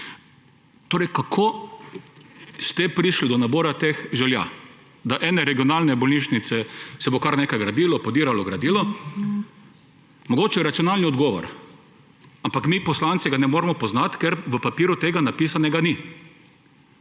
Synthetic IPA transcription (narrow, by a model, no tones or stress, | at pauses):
t̪oːɾɛjkakʰoː | st̪ɛpɾiʃlid̪ɔnaboːɾat̪exʒɛlja̰ | d̪aʔɛːnɛɾɛɡiɔnaːlnɛbɔlniːʃnit̪sɛsɛbokaɾneːkajɡɾad̪iːlɔpɔd̪iːɾalɔɡɾad̪iːlɔ | mɔɡoːt͡ʃɛɛɾat̪sijɔnalniɔd̪ɡɔːʋɔ̰ɾ | ampakmiːpɔslant̪sɛɡanɛmoːɾɛmɔpɔznat̪kɛɾʋəpapiːɾʊt̪eːɡanapiːsanɛɡani